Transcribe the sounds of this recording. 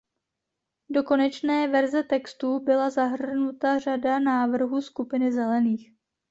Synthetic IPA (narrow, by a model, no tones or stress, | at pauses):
do̞ko̞nɛt͡ʃnɛːvɛɾzɛt̪ɛkst̪uːbɪlazaɦr̩r̩nut̪ar̝adanaːvr̩ɦuːskupɪnɪzɛlɛniːx